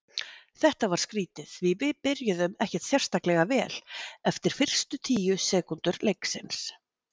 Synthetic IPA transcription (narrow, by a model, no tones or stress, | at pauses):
θɛht̪avaɾ̥skɾiːt̪ɪðvɪvɪðpɪɾjʏðʏmɛhcɛt̪θjɛr̥st̪aklɛɣavɛːlɛft̪ɪɾ̥fɪr̥st̪ʏt̪ʰiːjʏsɛːkunt̪ʏɾlejksɪns